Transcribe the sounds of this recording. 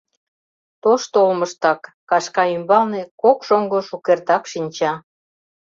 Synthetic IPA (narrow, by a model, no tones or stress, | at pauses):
t̪oʃt̪olməʃt̪ɑkːɑʃkɑymbɑlnekokʃoŋɡoʃukert̪ɑkʃinʲt͡ɕɑ